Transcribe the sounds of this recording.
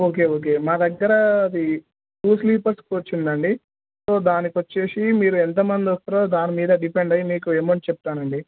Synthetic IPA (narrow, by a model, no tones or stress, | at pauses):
oːk̬e̞ːoːk̬e̞ːmaːd̪ɐɡːɐɾɐɐd̪i | ʈuːsliːpɐɾskʋɐt͡ʃːind̪ɐɳɖi | so̞ːd̪aːnikʋɐt͡ʃːe̞ːsimiːɾuɛnt̪ɐmɐnd̪iost̪ɐɾoːd̪aːnimiːd̪ɐɖipeɳɖɐjimiːkueːmɐɳʈt͡ʃɛp̚t̪aːnɐɳɖi